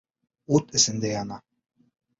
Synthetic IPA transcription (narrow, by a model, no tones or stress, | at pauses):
ot̪ɘ̆sɘ̆nd̪ejɑnɑ